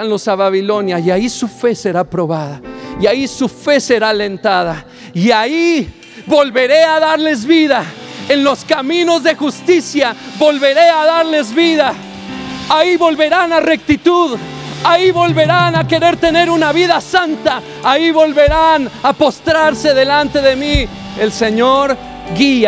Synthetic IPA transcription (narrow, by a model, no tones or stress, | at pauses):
anlo̞saβaβilo̞njajaisufe̞se̞ɾapɾo̞βaðaiaisufe̞se̞ɾale̞nt̪aða | iai | βo̞lβe̞ɾe̞aðaɾle̞zβiðaenlo̞skamĩno̞zðe̞xust̪isjaβo̞lβe̞ɾe̞aðaɾle̞zβiða | aiβo̞lβe̞ɾanare̞k̚t̪it̪uð | aiβo̞lβe̞ɾanake̞ɾe̞ɾt̪e̞ne̞ɾunaβiðasant̪aː | iβo̞lβe̞ɾanapo̞st̪ɾaɾse̞ðe̞lant̪e̞ðe̞mi | else̞ɲoɾ | ɡia